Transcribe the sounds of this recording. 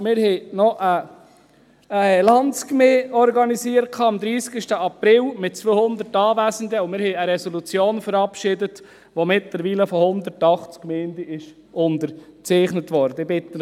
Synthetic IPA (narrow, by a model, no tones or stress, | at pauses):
mɪɾhɛɪnɔʔə | əɛlɑnt͡skmeːɔɾɡɑnisiːəɾ̚kʰɑːɑmd̪ɾiːsɡ̥ɪʃtəɑpɾɪlmɪt̚t͡sʋøːhʊnd̪əɾtɑːvæzən̩d̪əʊmɪɾhɛɪəɾɛsɔlut͡sjoːnfəɾɑpʃɪdət | ʋomɪtləɾʋiːləfɔhʊnd̪əɾtɑχt͡skmɛɪndiɪʃ | ʔʊndəɾt͡sɛɪχnətʋɔɾdəɪbɪt̪ːə